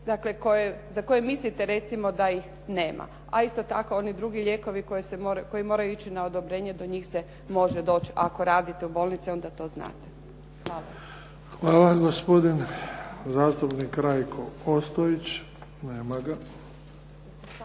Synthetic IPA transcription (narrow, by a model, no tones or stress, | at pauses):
d̪akle̞ko̞jezako̞jemislit̪eɾe̞t̪simo̞d̪aix | ne̞ːma̰ | aist̪ot̪ako̞onid̪ɾuɡiʎe̞ko̞ʋiko̞jesemoɾkojimo̞ːɾajuit͡ɕinaod̪o̞bɾe̞ɲe̞d̪o̞ɲiːxse | mo̞ʒed̪o̞ːt͡ʃa̰ko̞ɾaːd̪it̪eubo̞lnit̪sio̞nd̪at̪o̞ːzna̰ːt̪e | xaːla | xʋaːlaɡospo̞d̪in | zaːst̪upnikɾajkʰoost̪oit͡ɕ | neːmaɡa